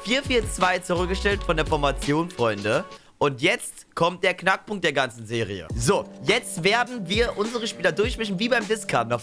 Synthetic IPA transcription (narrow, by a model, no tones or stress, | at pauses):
fiːɐfiːɐt͡sv̥aɪt͡suʁʏk̚ɡ̥əʃtɛltfɔndeːɐfɔɐmat͡sjoːnfʁ̥ɔʏndə | ʔʊntjɛt͡st | kʰɔmt̚d̥eːɐknak̚pʊŋkt̚d̥eːɐɡant͡sn̩zeːʁḭə̰zoːjɛt͡stv̥eːɐdn̩viːɐʔʊnzəʁəʃpiːlɐdʊɐçmɪçn̩viːbaɪmdɪskʰaɐtna